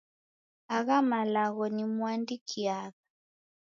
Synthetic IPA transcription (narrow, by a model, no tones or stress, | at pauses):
aɣamalaɣɔnimuandikʰiaɣa